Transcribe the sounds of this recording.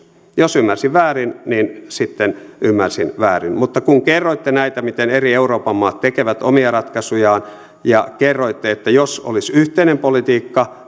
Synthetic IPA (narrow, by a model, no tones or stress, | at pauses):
josymːærsiʋʋæːrinninsit̪ːenymːærsinʋæːrḭnmut̪ːɑkuŋkerːoit̪ːenæit̪æmit̪enerieuroːpɑmːɑːt̪tekeʋæt̪omiɑrɑt̪kɑsujɑːn | jɑkerːoit̪ːeet̪ːæjoso̰lisyht̪einempolit̪iːkːɑ